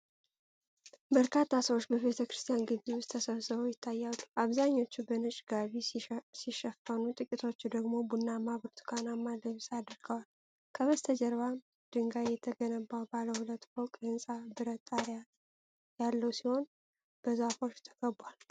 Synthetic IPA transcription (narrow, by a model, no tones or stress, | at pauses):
bəɾkʰat̪ʰːasəwo̞t͡ʃːbəβe̞t̪ʰəkɾɨst̪ʰʼijanɡɨzewʊst̪ʰːəsəβsɨβəwjɪt̪ʰːajːalːuʔaβzaɲːo̞t͡ʃːubənɨt͡ʃʼɡaβisiʃɛfənut̪ʼɨkʼit̪ʰo̞t͡ʃːud̪əɡmo̞bunːamaβɨɾt̪ʰɨ̥kʰanamːad̪əβsʼad̪ɨɾɡ̥əwal | kʰəβəst̪ʰəd͡ʒɛɾβam | d̪̥ɨŋɡajɛt̪ʰəɡənəbːawbaləhulət̪ːfowkʼɨnsʼabɨɾət̪ʼːaɾja | jalːəwsiho̞n | b̥əzafo̞t͡ʃːt̪ʰə̥ɡəbual